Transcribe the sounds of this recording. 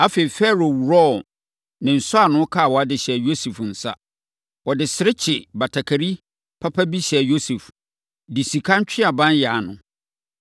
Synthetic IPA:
a˦fe˨i˨fɛ˦ɾo˨wu˨ɾɔ˦ | nɪ̃˨n̩˨sʊ˦a˨nʊ̃˦kʰa˦˨wɔ˨a˦dɪ˨ɕɛ˨jo˦su˨fn̩˨sa̰˦ | wɔ˨dɪ˨sɪ˨ɾɪ˦t͡ɕʰɪ˨ba˨tʰa˨kʰa˨ɾi˦ | pʰa˦pʰa˦bi˦ɕɛ˨jo˦su˨f | di˨si˨kʰã˦ɲ˦t͡ɕᶣʰɪ˦a˨bã˦n˦ja˨nʊ̰̃˨

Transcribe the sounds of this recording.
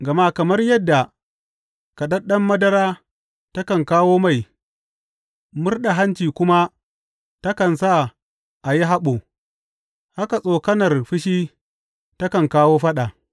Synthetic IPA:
ɡɐ˨ma˦kɐ˨mɐ˦rjɐ˦dːa˨ | ka˨ɗɐ˦ɗɐ˦mːɐ˦dɐ˦ɾaː˦ | tɐ˦kɐ˨ŋkaː˦woː˦ma˦˨j | mʊ˦rɗa˨ɦa˦nt͡ʃiː˨kʷʊ˦ma˦ | tɐ˦kɐ˨nsa˦˨ | ʔa˨ji˦ɦa˦ɓo˨ | ha˦ka˨sʼoː˨kɐ˦nɐ˨rɸɪ˦ʃ̬iː˦ | tɐ˦kɐ˨ŋkaː˦woː˦ɸɐ˦ɗa˨

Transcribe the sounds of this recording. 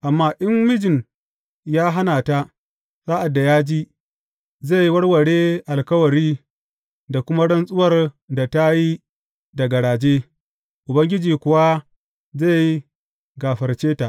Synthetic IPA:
ʔa˨mːaː˦ʔɪ˦mmɪ˦d͡ʒɪ˨n | jaː˦ɦa˦naː˨ta˦ | sa˦ʔa˨dːa˨jaː˦d͡ʒiː˦ | ze˦˨ji˦wɐ˦ɽwɐ˨ɽeː˦ʔa˨lkɐ˦wɐ˨ɽiː˦ | da˨kʷʊ˦ma˦ɽɐ˦nsʼʊ˦wɐ˨r | da˨ta˦ji˦ | dɐ˨ɡɐ˨ɽaː˨d͡ʒeː˦ | ʔʊ˨bɐ˦ŋɡʲɪ˦d͡ʒiː˨kʷʊ˨wa˦ | za˦˨ji˦ | ɡaː˨ɸɐ˨rt͡ʃeː˦ta˨ʔ

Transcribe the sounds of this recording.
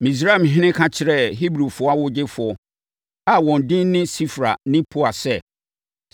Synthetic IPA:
mĩ˨s̬ɾa˦˨mɦɪ̃˦nɪ̃˦kʰã˦t͡ɕʰɪ˨ɾɛ˦ɦi˦bɾu˨fʊ˨˦a˦wʊ˦d͡ʑɪ˦fʊ˨ɔ˨ | a˨wɔ̃˨n˨dɪ̃˦n˦nɪ̃˦si˦fɾa̰˨nɪ̃˦pʰu˦a˨sɛ˦˨

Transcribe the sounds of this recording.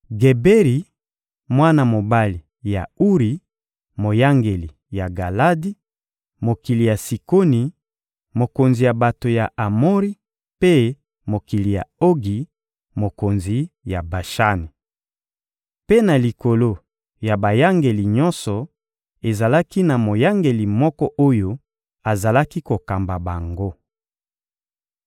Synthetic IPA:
ɡe˨be˦ʁi˨ | mwa˦na˦mo˨ba˦li˨ | ja̰˨u˦ʁi˨ | mo˨ja˦ŋɡe˨li˨ | ja˨ɡa˨la˦di˦ | mo˨ki˨li˨ja˨si˨ko˦ni˨ | mo˨ko˨nzi˨ja˨ba˨to˨ja˨ʔa˨mo˦ʁi˦ | pe˦ | mo˨ki˨li˨ja̰˨o˦ɡi˨ | mo˨ko˨nzi˨ja˨ba˨ʃa˦ni˨ | pe˦na˨li˨ko˨lo˦ | ja˨ba˨ja˦ŋɡe˨li˨ɲɔ˦nsɔ˨ | e˨za˨la˦ki˦na˨mo˨ja˦ŋɡe˨li˨mɔ˦kɔ˦ʔo˦jo˦ | a˨za˨la˦ki˦ko˨ka˨mba˨ba˨ŋɡo˦

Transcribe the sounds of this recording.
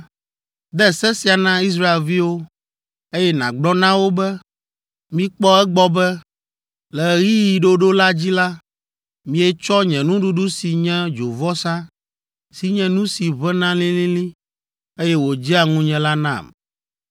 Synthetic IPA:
d̪ɛ˦˨sɛ˦si˨˦a˨nã˦i˦s̬ɾa˦e˨lvi˦wo˦ | e˦jɛ˦nã̰˨ɡ͡blɔ˦nã˦wo˦bɛ˦ | mĩ˦k͡pɔ˦ɛ˦ɡ͡bɔ˦bɛ˦ | lɛ˨ɣi˦ji˨ɖo˦ɖo˦la˦d͡ʑi˦la˦ | mĩ˨ɛ˦t͡ʃɔ˦ɲɛ̃˨nũ˦ɖu˦ɖu˦si˨ɲɛ̃˦d͡ʒo˨vɔ˦sã˦ | si˨ɲɛ̃˨nũ˦si˨βɛ˦nã˦lĩ˦lĩ˦lĩ˦ | e˦jɛ˦wo˨d͡ʑi˦a˨ŋũ˦ɲɛ̃˨la˦nã̰˦˨m

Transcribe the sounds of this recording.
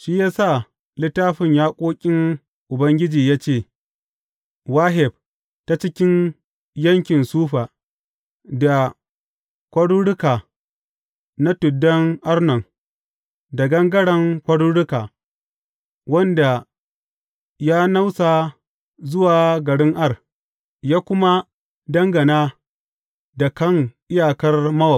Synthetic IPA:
ʃi˦jaː˦sa˦˨ | lɪ˦taː˦ɸɪ˨ɲjaː˦kʷʼoː˦kʲʼɪ˦ŋ | ʔʊ˨bɐ˦ŋɡʲɪ˦d͡ʒiː˨jaː˦t͡ʃeː˦˨ | waː˦ɦɪ˨b̚ | ta˦t͡ʃɪ˦kʲɪ˦n | jɐ˦ŋkʲɪ˨nsuː˦ɸa˨ | da˨ | kʷɐ˦ɽu˦ɽʊ˦kaː˨ | na˦tʊ˨dːɐ˦ŋʔa˦ɽnɐ˨ŋ | da˨ɡɐ˦ŋɡɐ˦ɽɐ˨ŋkʷɐ˦ɽu˦ɽʊ˦kaː˨ | wɐ˦nda˨ | jaː˦na˦wsa˨ | zʊ˦waː˨ɡɐ˨ɽɪ˦ŋʔa˦r | jaː˦kʷʊ˦ma˦ | dɐ˦ŋɡɐ˨naː˦ | da˨kɐ˦ŋʔɪ˦jaː˨kɐ˦rmɐ˦wɐ˨

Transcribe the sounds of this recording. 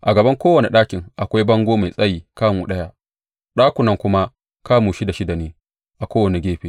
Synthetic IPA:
ʔa˨ɡɐ˨bɐ˦ŋkʷoː˦wɐ˨ne˨ɗaː˦kʲɪ˨ŋʔa˨kʷa˦jbɐ˦ŋɡʷoː˦ma˨jsʼɐ˦jiː˨kaː˦muː˨ɗɐ˦ja˦ | ɗaː˦kʷʊ˨nɐ˦ŋkʷʊ˦ma˦ | kaː˦muː˨ʃi˦da˨ʃi˦da˨neː˦ | ʔa˨kʷoː˦wɐ˨ne˨ɡʲeː˦ɸeː˦

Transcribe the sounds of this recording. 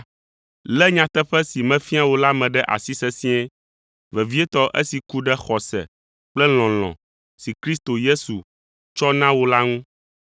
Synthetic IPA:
lɛ˦ɲã˨t̪ɛ˦ɸɛ˦si˨mɛ̃˦fi˦a˦wo˦la˦mɛ̃˨ɖɛ˦ʔa̰˨si˦sɛ˦sĩ˦ɛ̃˦ | vɛ˨vi˦ɛ˦t̪ɔ˦ʔe˦si˨ku˦ɖɛ˦xɔ˨sɛ̰˨ | k͡plɛ˦l̃ɔ̃˨l̃ɔ̰̃˨ | si˨kɾi˦st̪o˨je˦su˨ | t͡ʃɔ˦nã˦wo˦la˦ŋũ˦

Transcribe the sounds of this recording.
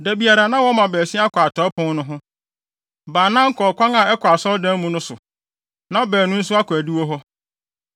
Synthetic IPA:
dæ˨bi˨a˨ɾa˨nã˦wɔ˦mã˨bɛː˨si˦a˦kʰʷa˨tʰɔ˨˦pʰʊ̃˦nʊ̃˦ɦʊ̃˦ | baː˨nã˦ŋ̩˦kʰɔː˨kʰʷã˦ŋa˨ɛ˦kʰʷʊ˨a˨sɔ˦dã˦mũ˦nʊ̃˦sʊ˨ | nã˦bɛː˨nʊ̃˦n̩˦sʊ˦a˦kʷʰæ˨di˦wo˦ɦɔ˦

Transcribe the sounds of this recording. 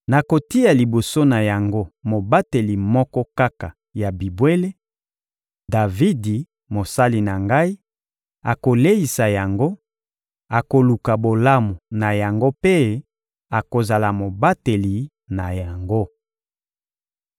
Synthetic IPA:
na˨ko˨ti˦a˨li˨bo˨so˦na˨ja˨ŋɡo˦mo˨ba˦te˨li˨mɔ˦kɔ˦ka˦ka˨ | ja˨bi˨bwe˦le˦ | da˨vi˦di˨ | mo˨sa˦li˨na˨ŋɡa˦i˦ | a˨ko˨le˦i˨sa˨ja˨ŋɡo˦ | a˨ko˨lu˨ka˨bo˨la˦mu˨na˨ja˨ŋɡo˦pe˦ | a˨ko˨za˨la˨mo˨ba˦te˨li˨ | na˨ja˨ŋɡo˦

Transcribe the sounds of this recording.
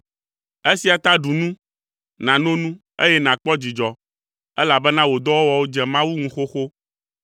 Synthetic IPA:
e˦si˨a˨t̪a˦ɖu˨nũ˦ | nã˨nõ˦nũ˦ | ḛ˦jɛ˦nã˨k͡pɔ˦d͡ʑi˨d͡ʒɔ˨ | ɛ˦la˨bɛ˦nã˦wo˨d̪ɔ˦wo˦wɔ˨wo˦d͡ʒɛ˨mã˦wu˦ŋũ˨xo˦xo˦

